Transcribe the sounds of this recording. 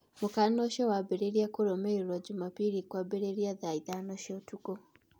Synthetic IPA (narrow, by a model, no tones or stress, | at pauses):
mokanɔʃjɔwabɛɾeɾiakoɾɔmɛiɾɔd͡ʒumapiɾikwabɛɾeɾiaðaiðanɔʃjɔtuɡo